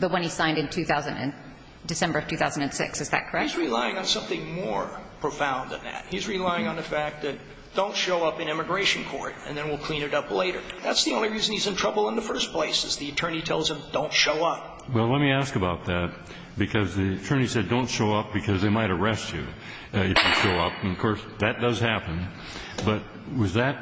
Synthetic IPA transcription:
ðəwʌ̃nisãɪ̃ndɨ̃ntʰʉθaʊzɨ̃ndɨ̰̃n | dɨsɛ̃mbə˞ʌv̥tʰʉθaʊzn̩dɨ̃nsɪ̰ksɨzðɨ̰t̚kʰə˞ɛizɹilaɪɪ̃ŋə̃nsʌ̃mθɪ̃ŋmɔɹpʰɹ̥ofãʊ̃nðɨ̰̃nðæ̰t̚hizɹilaɪɪ̃ŋə̃nðɨfæk̚t̪̚ðɨt̚ | d̥õʊ̃ntʃoʊʌpɨ̃nɪmɨɡɹeɪʃɨ̃nkʰɔ̰ɹɾɨ̰̃nðɨ̃nwilˠkʰl̥ĩnɨɾʌpleɪɾə̰˞ðætsðiõʊ̃nliɹizɨ̃nizɨ̃ntʰɹ̥ʌbl̩ˠə̃nðəfɜ˞spʰl̥eɪsɨzðiɨtʰɜ̃˞ñitʰɛlˠz̥ɨ̃md̥õʊ̃ntʃoʊʌp̚ | wɛlˠlɛt̚miæskɨbaʊt̪̚ðæt̚ | b̥ɨkʰʌzðiɨtʰɜ̃˞ñisɛdõʊ̃ntʃoʊʌp̚b̥ɨkʰʌzðeɪmaɪɾə˞ɛst͡ʃʉ̰ | ɨfjɨʃoʊʌpnʌv̥kʰɔɹs | ðɨt̚d̥ʌz̥hæpɨ̃n | b̥ʌt̚ | wʌzðɨt̚

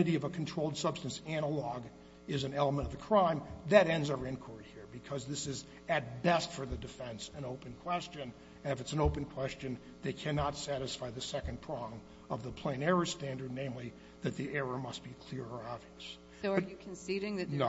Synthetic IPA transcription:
ɨɾiʌvəkʰn̩tʰɹ̥oʊlˠd̥sʌb̥stɨ̃n̩sæñəlɔɡ | ɪzɨ̃nɛlˠəmə̃ɾ̃ʌvðɨkʰɹ̥ãɪ̃mðɨɾɛ̃ndzovɨ̃nkʰɔɹt̚hiɹbɨkʰʌzðɪsɨz | ɨt̚bɛstfə˞ðɨdɨfɛ̃nsɨ̃noʊpɨ̃nkʰw̥ɛst͡ʃɨ̃n | ɨ̃nɨfɨtsn̩oʊpɨ̃nkʰw̥ɛst͡ʃɨ̃n | ðeɪkʰænɑtsæɾɨsfaɪðɨsɛkɨ̃npʰɹ̥ɑ̃ŋ | ʌvðəpʰl̥ẽɪ̃nɛɹɨstæ̃ndə˞dⁿnẽɪ̃mli | ðɨt̪̚ðiʔɛɹə˞mʌst̚b̥ikʰl̥ɪɹə˞ɑbviɨs | oɨkʰnsiɾɪ̃ŋðɨn

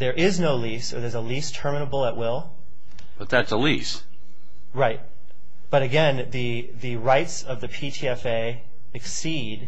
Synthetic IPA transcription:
ðə˞ʔɪznoʊlisə˞ðə˞zəlistʰɜ˞mɨnəbl̩ˠəʔ̚wɪlˠ | b̥ʌt̪̚ðætsəlis | ɹaɪt̚ | b̥ʌɾɨɡɛ̃nðɨ | ðɨɹaɪtsʌvðɨpʰitʰiɛfeɪ | ɨksi | d

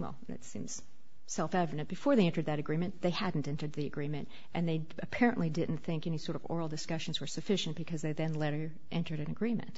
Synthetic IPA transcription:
wɛ̰lˠðɨ̰tsḭ̃mz̥ | sɛlˠfɛvɨnɨ̃nb̥ɨfɔɹðeɪɛ̃ntə˞d̪̚ðɨɾɨɡɹĩmɨ̃nðeɪhædⁿn̩tɛ̃ntə˞d̪̚ðiɨɡɹĩmɨ̃nt | ʔɨ̃nðeɪ | ɨpʰɛɹɨ̰̃nʔlidɪdⁿn̩θɪ̃ŋkɛñisɔɹɾʌvɔ̰ɹl̩ˠdɨskʌʃn̩zwə˞sɨfɪʃɨ̃nb̥ɨkʰʌzðeɪðɨ̃nlɛɾə˞ | ʔɛ̃ntə˞ɾɨ̃nɨɡɹĩmɨ̰̃nt

